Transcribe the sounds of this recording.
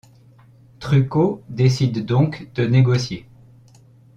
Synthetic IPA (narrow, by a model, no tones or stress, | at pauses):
t̪χykod̪esid̪ːɔ̃kd̪̥əneɡɔsje